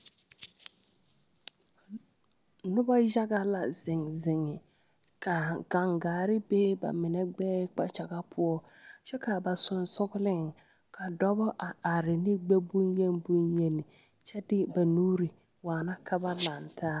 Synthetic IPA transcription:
nʊ˦ba˦ja˦ɡa˦la˨zɪ˨ŋzɪ˨ŋɪ˨ | ka˨ɡ̥a˨ŋɡaː˨ɾɪ˦beː˦ba̰˨mɪ˨nɛ˦ɡ͡bɛː˦k͡pa˦t͡ʃa˨ɡa˦pʰʊ˦ɔ˦ | t͡ʃɛ˦ka˨ba˨sʊ˨nsʊ˦ɡʊ˦lɪ˦ŋ | kʰa˨dɔ˦bɔ˦ʔa˨a˨ɾɪ˨nɪ˦ɡ͡be˦bʊ˦nje˦nbʊ˦nje˦nɪ˨ | t͡ʃɛ˦dɪ˦ba˨nuː˦ɾi˨ | waː˨na˦kʰa˦ba˦la˨ntʰaː˦

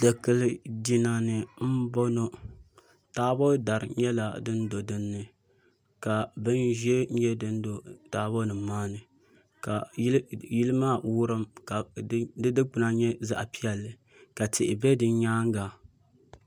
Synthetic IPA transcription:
dɛ˨kɨ˨lɨ˨di˨na˨nɨ˨m̩˦bo˦no˦ | taː˦bo˦da˨ɾɨ̰˨ɲɛ˦la˨dɨ˦n˦do˨dɨ˦nːɨ˨ | ka˨bɨ˦nʒɛ˦ɲɛ˦dɨ˦n˦do˨taː˨˦bo˦nɨ˨maː˦nɨ˨ | ka˨˦ | ji˦lɨ˦maː˦˨wʊ˦ɾɨ˦mka˨˦dɨ˦dɨ˦k͡pʊ˨na˦˨ɲɛ˦za̰˦ʔpi˦ɛ˨lːɨ˨ | ka˨tʰɪ˨ʔɪ̰˨bɛ˦dɨ˦ɲaː˦ŋɡa˨

